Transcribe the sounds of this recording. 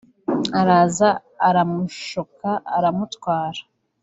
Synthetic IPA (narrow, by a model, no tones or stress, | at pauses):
aɾaːzaː | ɾamuʃokaːɾamutwaːɾa